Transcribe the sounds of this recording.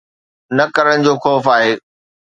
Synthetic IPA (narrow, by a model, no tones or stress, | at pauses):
nɐkɐɾəɽ̃ɪ̆d͡ʑoːxɔːfaːɦeː